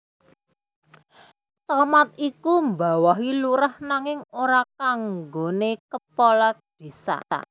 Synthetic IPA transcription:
t͡ʃamat̪̚ikumba̤waɦiluɾahnaŋɪŋoɾakaŋɡonekəpɔlad̪̥e̤sa̰a̰

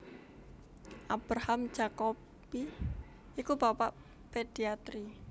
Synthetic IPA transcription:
ʔab̥ɾaham̥ʒ̥ako | pi | ikub̥apaʔ | ped̪̥iat̪ɾi

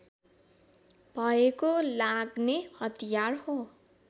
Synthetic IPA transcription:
b̥ʱʌekolaɡnehʌt̪ijarho

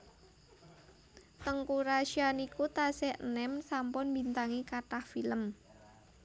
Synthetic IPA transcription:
t̪əŋkuɾaʃianikut̪asɛənɛmsampʊnbint̪aŋikaʈahfiləm

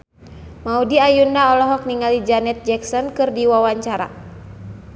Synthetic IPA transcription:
maudiajundaɔlɔɦɔk̚niŋalid͡ʒanɛt̪̚d͡ʒɛksɔnkɨrdiwawaɲt͡ʃaɾa̰

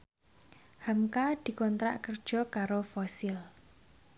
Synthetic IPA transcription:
hamkad̪̥i̤kɔnt̪ɾa̰ʔkərd̥ʒ̥ɔ̤kaɾofɔsɪl

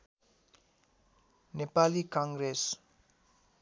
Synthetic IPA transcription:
nepalikãŋɡɾes

